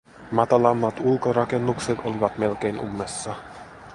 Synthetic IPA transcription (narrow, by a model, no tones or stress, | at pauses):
mɑt̪ɑlɑmːɑt̪ulko̞ɾɑke̞nːukset̪o̞liʋɑt̪me̞lk̟e̞jnumːesːɑ